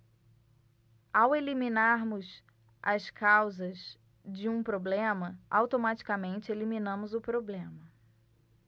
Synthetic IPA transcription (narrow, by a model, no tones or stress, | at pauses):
aweliminaɾmʊz | ʔɐskʰawzɐz | d͡ʒɪũpɾoblẽmɐawt̪omat͡ʃi̥kɐmẽnt͡ʃɪeliminɐ̃mʊzʊpɾoblẽmɐ